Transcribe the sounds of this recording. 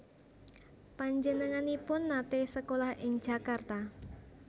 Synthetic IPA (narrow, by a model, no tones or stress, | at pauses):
paɲd͡ʒənəŋanipʊnːat̪esəkolahʔɪŋ̥ʒ̥a̤kart̪a